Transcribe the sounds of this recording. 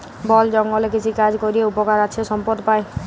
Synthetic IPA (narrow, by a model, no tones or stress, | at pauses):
bɔld͡ʒɔŋɡɔlekit͡ʃʰikad͡ʒkɔɾieupɔkaɾat͡ʃʰɔsɔmpɔd̪ɔpae